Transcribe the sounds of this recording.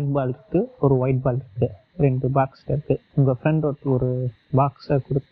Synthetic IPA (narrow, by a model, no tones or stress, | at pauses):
ʈ̚baːlɪɾɯkːɯɔɾɯʋɐɪʈ̚baːlɪɾɯkːɯ | ɾɛɳɖɯbaːkslɐɾkːɯʊŋɡɐfɾɛɳɖɔɾt̪ːɯɔɾɯ | baːksɐkʊɽɯt̪ː